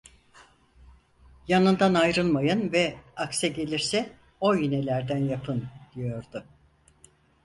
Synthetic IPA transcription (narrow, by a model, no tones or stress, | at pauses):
janɯnd̪anajɾɯlˠmajɯnvɛaksɛɟe̞lʲiɾsɛ | o̞jyne̞lʲæɾd̪ænjapʰɯnd̪̥ijo̞ɾd̪ʊ